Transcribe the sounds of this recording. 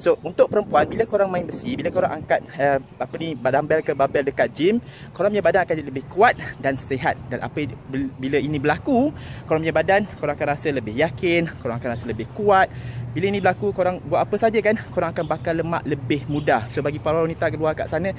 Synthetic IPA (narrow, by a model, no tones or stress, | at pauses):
sount̪ʊk̚pəɾəmpuanbiləkoɾaŋmãɪnbəsibiləkoɾaŋʔaŋkat̪̚əapənibadambɛlkəbabɛldəkat̪̚d͡ʒim | koɾaŋmjabadanakanləbɪhkuat̪̚danseɦat̪̚danʔa̰pəbiləinĩbəlakukoɾaŋmɲabadankoɾaŋakanrasələbɪhjakɪnkoɾaŋakanrasələbɪhkuat̪̚biləinĩbəlakukoɾaŋbuatʔapəsad͡ʒakankoɾaŋakanbakaləma̰ʔləbɪhmũdasobaɡipaɾawanĩt̪aʔkəluaka̰ʔsanə̃